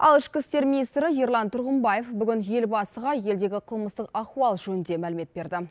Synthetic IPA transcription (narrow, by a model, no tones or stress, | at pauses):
ɑ̰lˠɪʃkʲɪst̪e̞ɾmʲinijst̪ɾɪjeɾlˠɑnt̪ʰʊɾʁəmbɑje̞fbʏɡʲɪnje̞lbɑsəʁɑje̞ld̪e̞ɡʲɪqʰəlˠməst̪əqɑquɑlˠʒɵnd̪e̞mælɪme̞t̪̚be̞ɾd̪ɪ